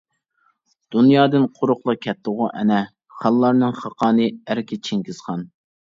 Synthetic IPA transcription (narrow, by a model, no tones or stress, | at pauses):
d̪̥unjɑːd̪ɨnqʰʊɾʊχlˠɑkʲʰɛt̪ːəʁʊʔɛ̰nɛ | χɑlˠːɑɾnɨŋχɑqʰɑːnɨæɾkʲɛt͡ʃʰɪŋkʲɪz̥χɑn